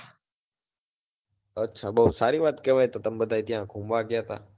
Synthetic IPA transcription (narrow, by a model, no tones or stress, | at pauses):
ətːʃʰaːɓosaːɾiːʋaːt̪keːʋaːeːt̪oːt̪əmɓəd̪ʱaːiːt̪ɪjãːɡʱũːmʋaːɡɪjaːt̪a̰ː